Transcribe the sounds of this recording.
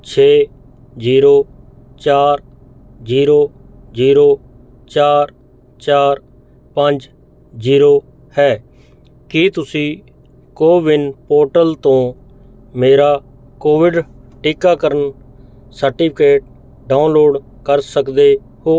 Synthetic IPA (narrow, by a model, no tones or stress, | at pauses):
t͡ʃʰeː | ziːɾoː | t͡ʃaːɾ | ziːɾoː | ziːɾoː | t͡ʃaːɾ | t͡ʃaːɾ | pəɲd͡ʒ | ziːɾoː | hɛː | kɪt̪ʊsĩː | koːʋɪnpoːɾʈəlt̪õː | meːɾaː | koːʋɪɖʈɪkaːkəɾən | səɾʈɪːpʰɪkeːʈ̚ | ɖaːʊnloːɖ | kəɾsəkd̪eː | ɦoː